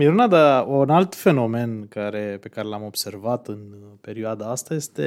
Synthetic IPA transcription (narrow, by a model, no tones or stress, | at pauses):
miɾunad̪aunalt̪fe̞no̞me̞nkaɾe̞pe̞kaɾe̞lamo̞bse̞rvat̪ɨnpe̞ɾioad̪aast̪aje̞st̪e